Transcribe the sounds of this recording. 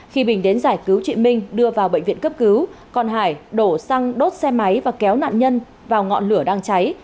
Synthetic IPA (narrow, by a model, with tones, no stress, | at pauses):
xi˧ɓï˨˩ŋ̟ɗe˨˦nzaː˧˩jkɨ˨˦wt͡ɕwḭ˧˨ənmï˧ŋ̟ɗɨ˧əvaː˨˩wɓə̰˧˨jŋ̟vḭ˧˨ənkə˦˥p̚kɨ˨˦wkɔ˨˩nɦaː˧˩jɗo˧˩sa˧ŋɗo˦˥t̚sɛ˧ma˨˦jvaː˨˩kɛ˨˦wna̰ː˧˨nɲə˧n | vaː˨˩wŋɔ̰˧˨nlɨ˧˩əɗaː˧ŋt͡ɕa˨˦j